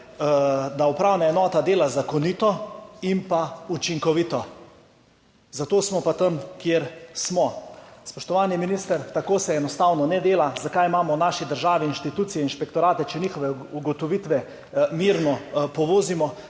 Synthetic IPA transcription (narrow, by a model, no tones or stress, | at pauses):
d̪aupɾaːwnaɛnɔːt̪ad̪eːlazakɔnit̪ɔimpaut͡ʃiŋkɔʋit̪ɔ | zat̪oːsmɔpat̪əmkjeːɾsmɔspɔʃt̪ɔʋaːniminist̪əɾt̪akoːsɛɛnɔst̪awnɔnɛd̪eːlazakajmaːmɔnaːʃid̪əɾʒaːʋiinʃt̪it̪uːt̪sijɛinʃpɛkt̪ɔɾaːt̪ɛt͡ʃɛniːxɔʋɛ | uɡɔt̪ɔʋit̪ʋɛ | miɾnɔpɔʋoːzimɔ